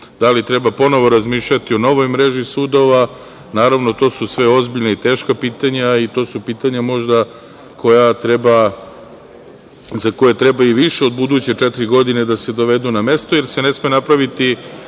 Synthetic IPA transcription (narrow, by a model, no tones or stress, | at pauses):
d̪alit̪ɾe̞bapo̞no̞ʋo̞ɾazmiːʃʎat̪io̞no̞ʋo̞jmɾe̞ʒisud̪o̞ʋa | naːɾaʋno̞t̪o̞ːsusʋe̞o̞zbiʎnait̪e̞ːʃkapiːt̪aɲait̪o̞ːsupiːt̪aɲamo̞ʒd̪a | ko̞jat̪ɾeba | zako̞je̞t̪ɾebaiʋiʃeod̪̚bud̪uːt͡ɕet͡ʂɛt̪iɾiɡo̞d̪ine̞d̪ase̞d̪o̞ʋe̞d̪uname̞st̪oje̞ɾse̞ne̞smenapɾaʋit̪i